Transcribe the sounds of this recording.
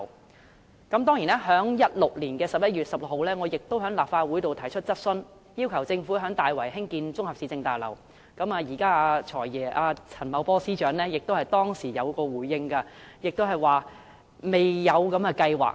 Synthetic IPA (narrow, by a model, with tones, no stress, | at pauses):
kɐ˨˥mt̪ɔː˥ŋjiː˨˩nɛː˥ɦœː˨˥ŋjɐ˥t̚lʊ˨k̚liː˨˩nkɛː˧sɐ˨p̚jɐ˥t̚jyː˨t̚sɐ˨p̚lʊ˨kho˨˧wlɛː˥ŋɔː˨˧jɪ˨k̚t̪o˥wɦœː˨˥ŋlaː˨p̚faː˧t̚wuː˨˥jt̪o˨wt̪ʰɐ˨˩jt͡ʃʰɵ˥t̚t͡sɐ˥t̚sɵ˥n | jiː˥wkʰɐ˨˩wt͡sɪ˧ŋfuː˨˥ɦœː˨˥ŋt̪aː˨jwɐ˨˩jɦɪ˥ŋkiː˧nt͡sʊ˥ŋhɐ˨p̚si˨˧˥t͡sɪ˧ŋt̪aː˨jlɐ̰˨˩w | kɐ˨˥maː˧jiː˨˩kaː˥aː˧t͡ʃʰɔː˨˩jjɛː˨˩ʔaː˧t͡sʰɐ˨˩nmɐ˨˥wpɔː˥siː˥t͡ʃœː˨˥ŋlɛː˥jɪ˨k̚t̪o˥whɐ˨jt̪ɔː˥ŋsiː˨˩jɐ˨˧wkɔː˧wuː˨˥jːɪ˥ŋkɐ˧ | jɪ˨k̚t̪o˥ɦɐ˨jwaː˨ | me˨jːɐ˨˧wkɐ˨˥mɐː˧kɐ˧jwa̰ː˨˩k̚